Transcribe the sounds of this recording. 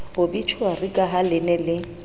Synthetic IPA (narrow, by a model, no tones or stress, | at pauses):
ʊbit͡ʃʰʊarikʼaɦalɪnɛlɪ